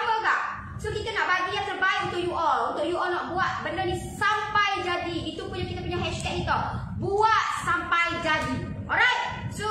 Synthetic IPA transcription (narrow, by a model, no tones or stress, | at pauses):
aəɡaʔ | sokit̪anaʔbaɡijaŋt̪ərbaikunt̪ukʔjuʔɔlunt̪ʊʔjuʔɔlnaʔbuat̪̚bəndərnisampajd͡ʒadiːt̪upuɲakit̪apuɲaɦɛʃt̪ɛk̚ːit̪a | buat̪̚sampajd͡ʒadi | ʔɔɾajt̪̚so